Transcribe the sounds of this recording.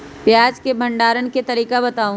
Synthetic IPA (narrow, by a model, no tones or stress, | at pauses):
pjaːd͡ʒkebʱɐ̃ɳɖaːɾənket̪ɐɾiːkabɐt̪aːũ